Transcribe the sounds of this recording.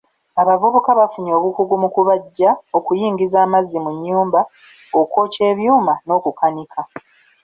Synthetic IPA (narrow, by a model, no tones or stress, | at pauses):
aβavuβukaβafuɲo̞ːβukuɡumukuβaɟːao̞kujiːŋɡizaːmazːimuɲːuːmba | okwo̞ːce̞ːβjuːmano̞ːkukanikʰa